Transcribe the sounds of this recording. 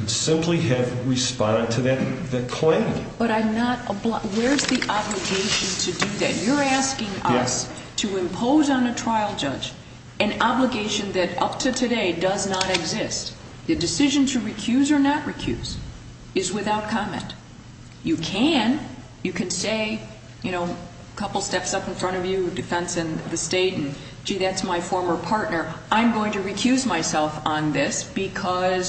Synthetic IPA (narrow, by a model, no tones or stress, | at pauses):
sɪ̃mpʰliɨvɹɨspɑ̃ndɨd̚tʰɨðɨt̪̚ðɨt̚kʰl̥ẽɪ̃mb̥ʌɾaɪnəɾəbwə˞zðiʔɑbləɡeɪʃɨ̃ntʰɨdɨðɨ̰ʔt͡ʃə˞æskɪ̃ŋʌs | tʰɨɨ̃mpʰoʊzn̩ɨtʰɹ̥aɪl̩ˠd͡ʒʌd͡ʒ | ɨ̃nɑbləɡeɪʃɨ̃nðɨɾʌ̰p̚tʰɨtʰɨdeɪdʌznəɾɨɡzɪst̚ | ðɨdɨsɪʒɨ̃ntʰɨɹikʰj̥ʉzə˞nəʔ̚ɹikʰj̥ʉ̰z̥ | ɨzwɨθaʊt̚kʰɑmɛ̰̃nt | ɨkʰɨ̃n | jɨkʰɨ̃nseɪ | jɨñoʊ | kʰʌpl̩ˠstɛpsʌpn̩fɹʌ̃ɾ̃ʌvjɨdɨfɛ̃nsɨ̃nðɨsteɪɾn̩̥ | d͡ʒiðætsmaɪfɔɹmə˞pʰɑɹtⁿnə˞ʔãɪ̃mɡoʊɪ̃ŋtɨɹikʰj̥ʉzmaɪsɛlˠfn̩ðɪsb̥ɨkʰʌz̥